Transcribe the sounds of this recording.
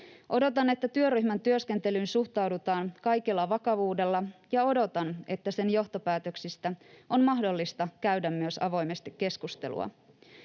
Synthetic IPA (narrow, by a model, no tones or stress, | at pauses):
ʔo̞do̞t̪ɑne̞t̪ːæt̪yøryçmænt̪yøske̞nt̪e̞lyːnsuxt̪ɑwdut̪ɑːnkɑjkelːɑʋɑkɑʋuːde̞lːɑjɑo̞do̞t̪ɑne̞t̪ːæse̞njo̞ht̪o̞pæːt̪øksist̪æo̞nmɑɦdo̞lːist̪ɑkæɥdæmːyøsɑ̰ʋo̞jmest̪ikːe̞skust̪e̞̰lṵɑ̰